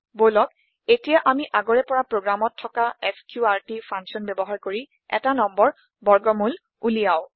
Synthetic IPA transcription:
bolɔk | etijaʔamiʔaɡɔɹɛpɔɹapɹoɡɹamɔtʰːɔkaɛskjuaɹtipʰaŋsɔnbɛbɔɦaɹkoɹi | ɛ̰tanɔmbɔɹ | bɔɹɡɔmul | ulijaw

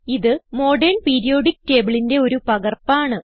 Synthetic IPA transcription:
iðɨmo̞ːɖɐrnpeːɾijo̞ːɖikːte̞ːbiɭinde̞o̞ɾupɐɣɐrpaːɳɨ

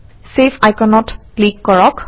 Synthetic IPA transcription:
sepʰajkɛnɔtplikːɔɹɔk

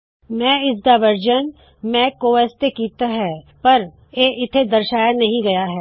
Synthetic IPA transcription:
mɛ̃ːɪsd̪aːʋəɾd͡ʒən | mɛ̃ːkoːɛːst̪ekiːt̪aɦɛː | pɐɾ | eːʔɪt̪ʰed̪ɐɾʃaːjanɐɦĩɡɐjaɦɛː

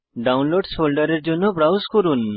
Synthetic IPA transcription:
ɖawnloɖsolɖəɾeɾd͡ʑonɔbɾawskɔɾuːn

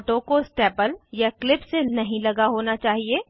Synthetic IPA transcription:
ʈõkosʈeːpəljaklɪpsenɐɦĩlɐɡaɦoːnat͡ʃaːɦieː

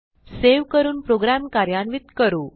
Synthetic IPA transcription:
seʋkəɾuːnpɾoɡɾamkaɾjanʋit̪kəɾuː

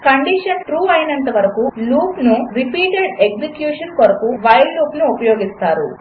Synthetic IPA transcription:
kɐɳɖiʂɐnʈɾuːɐjnɐnt̪ɐʋɐɾɐkuːluːpnuɾipiːʈeɖeɡsekjuːʂɐnkoɾɐkuʋɐjlluːpnuːpɐjoːɡist̪aːɾṵ

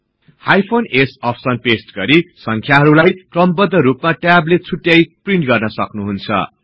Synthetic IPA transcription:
hajpʰonesʌpʰsʌnpesʈɡʌɾisʌŋkʰjaɦʌɾulajkrʌmbʌd̪ʱːʌɾupmaʈjablet͡sʰuʈjajpriɳʈɡʌrnʌsʌknuɦunt͡sʰʌ̰

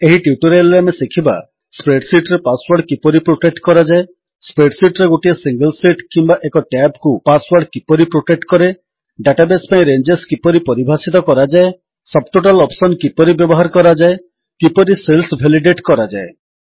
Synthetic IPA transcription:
eɦiʈiuʈoɾajlɾamesikʰiba̰ | spɾeɖsiʈɾepaswaɾɖkipɔɾipɾoʈek̚ʈkɔɾad͡ʒae | spɾeɖsiʈɾeɡoʈiesiŋɡəlsiʈkimbaʔekɔʈabkupaswaɾɖkipɔɾipɾoʈek̚ʈkɔɾe | ɖaʈabespaĩɾend͡ʒeskipɔɾipɔɾibʱasit̪ɔkɔɾad͡ʒae | sɔb̚ʈoʈalɔpsɔnkipɔɾibjɔbɔɦaɾkɔɾad͡ʒae | kipɔɾiselsbʱeliɖeʈkɔɾad͡ʒae

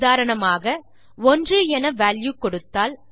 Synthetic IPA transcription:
ðaːɾɐɳɐmaːɣɐ | ɔndrɯɛnɐʋaːljukːɔɽɯt̪ːaːl

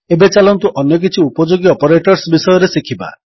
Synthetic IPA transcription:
ebet͡ʃalɔnt̪uʔɔnjɔk̬it͡ʃʰiupɔd͡ʒoɡiɔpɔɾeʈɔɾsbisɔjɔɾesikʰiba̰

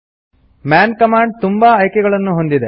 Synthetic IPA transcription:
maːnkɐmaːɳɖ̚t̪umbaːjkɛɡɐɭɐnːuɦo̞nd̪id̪e

